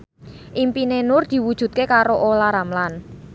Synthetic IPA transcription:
ʔimpinenʊrd̪̥i̤wud̥ʒ̥ṳt̪̚kekaɾoʔolaɾamlan

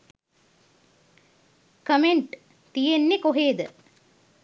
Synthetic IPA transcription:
kəmeɳʈ | t̪ijenːekoɦeːd̪ə

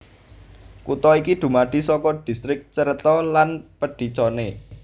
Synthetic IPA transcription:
kut̪ɔikid̪̥ṳmaɖ̪̥i̤sɔkɔɖ̪̥i̤st̪ɾɪk̚t͡ʃəɾət̪ɔlanpəɖ̥i̤t͡ʃɔne

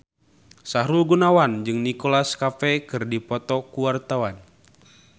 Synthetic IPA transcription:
saɾulɡunawand͡ʒɨŋnikolaskafɛkɨrdipɔt̪ɔkuwart̪awan

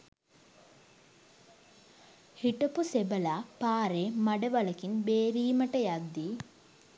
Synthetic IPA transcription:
hiʈəpusebəlaːpaːɾeːmaɖəʋɐləkinbeːɾiːməʈəjad̪ːi

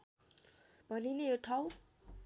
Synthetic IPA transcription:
b̥ʱʌnineoʈʰaw

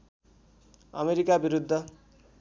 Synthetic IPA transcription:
ʌ̰meɾikabiɾud̪ʱːʌ

